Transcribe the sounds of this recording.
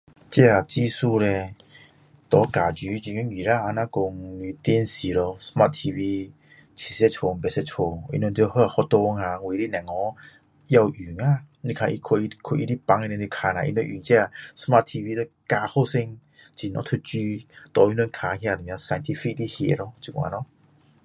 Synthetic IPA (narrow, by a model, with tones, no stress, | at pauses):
t͡ɕɛ˦˧a˨t͡ɕi˦su˧lɛ˧ | t̪ɔ˨˦ka˨d͡ʑy˨˦d͡ʑi˧˨ŋu˧˦ŋi˨ɾa˧a˧nã˧ko˧ŋli˧t̪i˧˦˨nsi˨˩ɾɔ˧sma˧t̚t̪ʰi˧vi˧ | t͡ɕʰi˨˩se˧t͡ɕʰo˨˧m̩˨bɛ˨sɛ˧t͡ɕʰo˨˩ḭ˧no˧nt̪u˧ho˧a˨hɔ˧˦t̪o˧ŋa˧˨ŋwi˨ɾi˦nɛ̃˨ŋɔ˧˦ | ja˧wʔy˨˩ŋa˧˨ | ni˧kʰa˧˨ʔḭ˧kʰo˧i˧kʰo˧ʔi˧ɾi˦pa˧˦ŋɛ˧nɛ̃˧ni˧kʰa˨˧na˨ʔḭ˧no˧˦ʔy˨ŋt͡ɕɛ˧˦a˧˨sma˦˧t̚t̪ʰi˧vi˧tɔ˦˧ | ka˧ho˥˧˨sɪ˧ŋ | t͡ɕi˧˨nɔ̰˧˦t̪ʰu˧t͡ɕy˧˦t̪ɔ˨˦i˧˦no˧˦nkʰa˧hja˧˨di˨m˧a˧sa˧jnt̪ʰi˧fi˦k̚li˦hḛ˧˨ʔɾɔ˧˦t͡ɕu˧˨wa̰˨nɔ˧˦